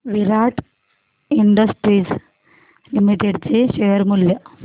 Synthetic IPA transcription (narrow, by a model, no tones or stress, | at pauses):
ʋiɾaʈ | iɳɖəsʈɾid͡z | limiʈeɖt͡seɕeʋəɾmulːjə